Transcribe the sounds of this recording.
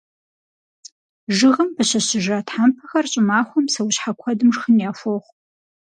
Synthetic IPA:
ʒɨʁɐmbɐɕɐɕɪʒaːtħampʰɐxɐrɕʼɪmaːχʷɔmsɐwɕħakʷʰɐdɨmʐxənjaːfʷoχʷ

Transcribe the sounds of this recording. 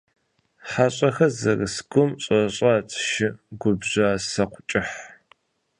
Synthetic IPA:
ħaɕʼɐxɐzɐrɨsɡʷʊmɕʼɐɕʼaːt͡sʼʃɪɡʷʊbʑaːsɐqʷʊt͡ʃʼɪħ

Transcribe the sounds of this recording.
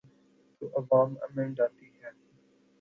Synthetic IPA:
t̪uʔəʋaːmə̰mɛ̃ɳɖaːt̪iɦɛː

